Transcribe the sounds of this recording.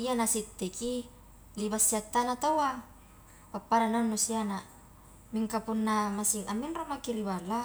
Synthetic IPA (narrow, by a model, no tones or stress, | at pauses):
ianasit̪ːeki | libasːiat̪ːanat̪owa | papːaɾananusiana | miŋkapunːamasiŋaminromakiɾibala